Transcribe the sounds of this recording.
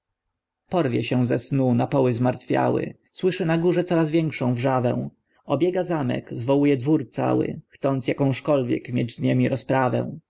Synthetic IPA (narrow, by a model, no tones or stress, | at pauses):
pɔɾvʲjɛɕɛ̃zɛsnunapɔwɘzmaɾt̪fʲja̰wɘ̰ | swɘʂɘnaɡuʐɛt̪sɔɾazvʲjɛŋkʂɔ̃w̃vʐavɛ̰̃w̃ | ɔbʲjɛɡazamɛ̰kzvɔwujɛd̪vuɾt̪sa̰wɘ̰xt̪sɔnt̪sjakɔ̃w̃ʂkɔlvʲjɛ̰kmʲjḛd͡ʑzɲemʲiɾɔspɾavɛ̰̃